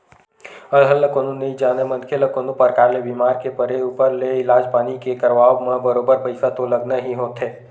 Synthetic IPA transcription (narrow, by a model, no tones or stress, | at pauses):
əlɦəlːəkoːnũnɐɦĩd͡ʒaːnemɐ̃nkʰeləkoːnũpəɾkaːɾlebiːmaːɾkepəɾeuːpəɾleɪlaːd͡ʒpaːnikekəɾʋaːʋmãbəɾoːbəɾpɐɪsat̪olɐɡnaɦiɦoːt̪ɦeː